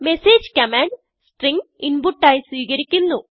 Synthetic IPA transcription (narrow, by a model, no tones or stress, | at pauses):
meseːd͡ʑkɐmaːɳɖ | sʈriŋɡinbuʈːaːjsʋiːkɐɾikʲːinːu